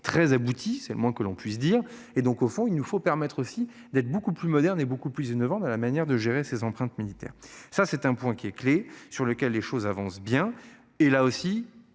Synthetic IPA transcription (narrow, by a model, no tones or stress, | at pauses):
t̪χɛzabut̪ʰisɛləmwɛ̃kəlɔ̃pɥis̬d̪iːʁ | ed̪ɔ̃kofɔ̃ilnufopɛʁmɛt̪χosi | d̪ɛt̪χbokuplymɔd̪ɛʁnebokuplyzinɔvɑ̃t̪alamanjɛʁd̪əʒeʁesezɑ̃pχɛ̃t̪milit̪ɛ̰ːʁsasɛt̪ɛ̃pwɛ̃kʲiɛklesyʁləkʲɛlːeʃozavɑ̃sbjɛ̃ | elaosi